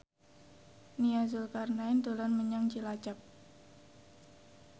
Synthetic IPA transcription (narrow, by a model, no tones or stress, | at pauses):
niazʊlkarnaɪnd̪olɔnməɲaŋt͡ʃilat͡ʃap̚